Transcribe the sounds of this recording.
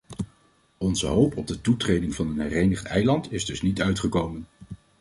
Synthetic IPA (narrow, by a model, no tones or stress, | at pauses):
ɔnzə̰ɦowpɔb̚dətutrejdɪŋvɑnənɦɛrejnəχtɛ̰jlɑntɪzdɵsnitœɥtχəkowmən